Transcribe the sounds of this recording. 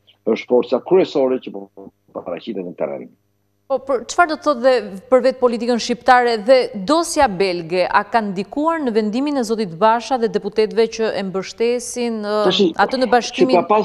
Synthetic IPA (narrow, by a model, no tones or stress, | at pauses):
əʃt̪fɔɾt̪t͡sakɾyɛsɔɾɛcəpɔ | papaɾa̰cit̪ɛt̪nət̪ɛ̰rɛ̰ɾḭm | pɔpəɾt͡ʃə̥faɾd̪ɔt̪əθɔt̪ðɛpəɾvɛt̪̚pɔlit̪ikənʃcipt̪aɾɛðɛd̪ɔsjabɛlɡɛʔakand̪ikuaɾnəvɛnd̪iminɛzɔt̪it̪baʃaðɛd̪ɛput̪ɛt̪vɛcəʔɛmbəʃt̪ɛsinat̪ənəbaʃkimiapa